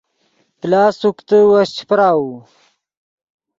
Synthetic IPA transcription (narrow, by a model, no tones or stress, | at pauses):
plaːsukt̪əwast͡ɕʰi̥pɾaːwu